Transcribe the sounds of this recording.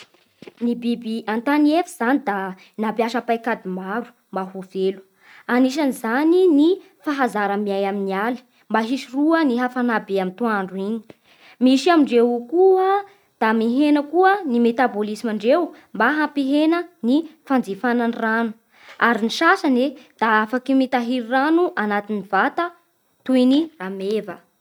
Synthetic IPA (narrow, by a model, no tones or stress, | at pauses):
nibibiant̪aniefiz̥anid̪a | napiaʃapajkad̪imaɾu̥ | maɦuvelu̥ | aniʃ̬anizanini | faɦazaɾamiajaminiali̥ | mbaɦiʃiruəniɦafanabeamint̪uaɳɖ͡ʐuiɲi̥ | miʃiamiɳɖ͡ʐewkuə | d̪̥amiɦenəkuənimet̪abolisimaɳɖ͡ʐew | mbaɦampiɦenənifand͡zefananiranu̥ | aɾiniʃasaned̪̥aafakimit̪aɦiɾiranuʔanat̪inivat̪ə | t̪ujniramevə̰